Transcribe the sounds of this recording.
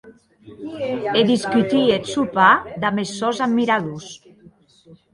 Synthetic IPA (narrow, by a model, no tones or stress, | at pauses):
ed̪iskyt̪iet̪supad̪amesːɔzammːiɾaðus